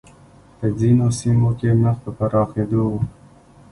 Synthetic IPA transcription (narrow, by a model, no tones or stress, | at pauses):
pəzinosimokeməxpəpaɾɑxed̪owu